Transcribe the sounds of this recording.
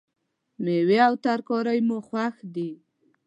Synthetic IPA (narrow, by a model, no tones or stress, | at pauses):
meweawt̪aɾkɔɾajmoxwaxd̪i